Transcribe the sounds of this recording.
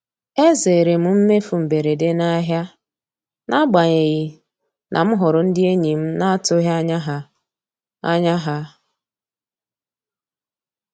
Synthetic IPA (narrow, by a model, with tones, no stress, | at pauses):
e˦ze˨ɾe˨m̩˦m̩˦me˦fu˨m̩˨be˨ɾe˨de˦na˦ɦja˦ | nʔa˦ɡ͡ba˨ɲe˨ɣi˨ | nʔa̰˨m̩˦ɦʊ˨ɾʊ˨n̩˦dɪ˦e˦ɲi˨m̩˦na˦a˦tʊ˦ɦa˦ɲa˦ɦa˨ | a̰˦ɲa˦ɦa˦